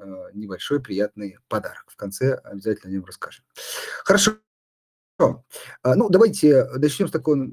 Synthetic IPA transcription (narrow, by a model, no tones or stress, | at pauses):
nʲɪbɐlʲʂo̞jpɾʲɪjat̪nɨjpɐd̪a̰ɾəkfkɐnt̪sɛɐ̰bʲɪzatʲlʲnəɐnʲomrɐskaʐɨmxəɾɐʂ | onud̪ɐvajtʲɪnɐt͡ɕnʲo̞mst̪ɐkoj